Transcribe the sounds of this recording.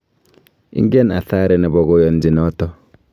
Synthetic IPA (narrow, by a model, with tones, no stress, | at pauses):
ʔḭ˦ŋɡɛ˦na˨θa˦ɾɛ˨nɛ˨bɔ˨ɡɔ˦jɔ˨nd͡ʒi˨nɔ˦tɔ˦